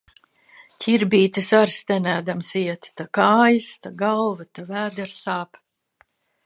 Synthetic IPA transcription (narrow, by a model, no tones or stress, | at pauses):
cʲiɾbiːt̪ɨsaɾst̪ʲɛnʲæːd̪amsiɛt̪t̪akaːjɨst̪aɡalˠvat̪avæːd̪ɛɾsaːp